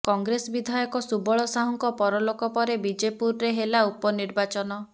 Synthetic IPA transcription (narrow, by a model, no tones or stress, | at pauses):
kɔŋɡɾesɔbid̪ʱajɔkɔsubɔɭɔsaɦɔŋkɔpɔɾɔlokɔpɔɾebid͡ʒepuɾːeɦelaupɔniɾbat͡ʃɔnɔ